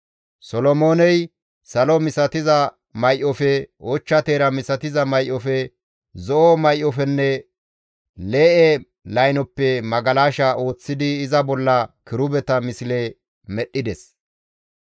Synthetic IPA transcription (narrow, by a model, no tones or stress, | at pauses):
sɔlɔmoːnɛj | sɐlɔmɪsɐt̪ɪzɐ | mɐjʔɔfɛɔt͡ʃːɐt̪eːɾɐmɪsɐt̪ɪzɐmɐjʔɔfɛ | zɔʔɔmɐjʔɔfɛnːɛ | le̞ːʔɛ | lɐjnɔpːɛmɐɡɐlaːʃɐʔo̞ːt͡sːɪd̪ɪːzɐbɔlːɐkɪɾʊbɛt̪ɐmɪsɪle | mɛɗːɪd̪ɛs